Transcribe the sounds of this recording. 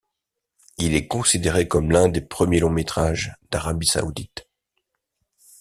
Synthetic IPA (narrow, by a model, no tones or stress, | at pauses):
ilɛkɔ̃sid̪eʁekɔmlɛ̃d̪epχəmjelɔ̃met̪χaʒd̪̥aʁabisa̰ud̪it̪